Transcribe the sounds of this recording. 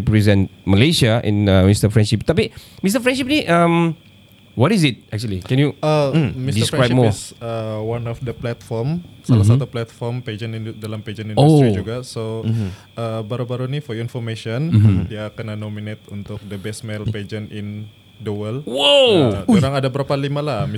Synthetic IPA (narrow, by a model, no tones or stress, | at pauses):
ipɾizɛ̃n̚məlesaʔḭ̃nəmist̪əfɹɛ̃nʃip̚t̪apimist̪əfɹɛ̃nʃip̚niʔãm | wɔtisit̪̚ʔɛk̚t͡ʃulikɛ̃njuəmisdiskɹaj̚mɔsəwanɔfdəplɛt̪fɔrmsalahssat̪uplɛt̪fɔrmped͡ʒənindalamped͡ʒənĩndoust̪ɾid͡ʒuɡaso | ʔəbaɾubaɾunifɔinfɔrmeʃɔndiakənanominet̪unt̪ʊk̚dəbɛsmɛlped͡ʒənin | duwəlwoduɾaŋadabəɾapalimalahm